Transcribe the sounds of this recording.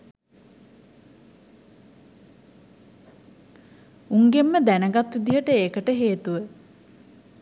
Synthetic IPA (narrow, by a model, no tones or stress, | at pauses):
uŋɡemːəd̪ænəɡat̪ʋid̪iɦəʈəeːkəʈəɦeːt̪uʋə